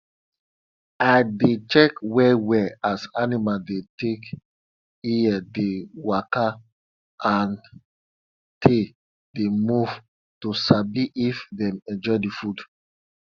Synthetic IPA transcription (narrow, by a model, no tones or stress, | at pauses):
adet͡ʃɛkwɛwɛasanimadetek | iɛdewaka | an | tʰe | demuv | tusabiʔifðɛ̃mɛ̃d͡ʒɔdifud